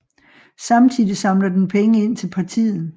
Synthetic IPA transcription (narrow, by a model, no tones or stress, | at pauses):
sɑ̈mt͡sʰið̰ˠisɑ̈mlɐd̥enpʰeŋəe̝n̰t͡sʰe̝lpʰɑ̈t͡sʰḭːð̩ˠ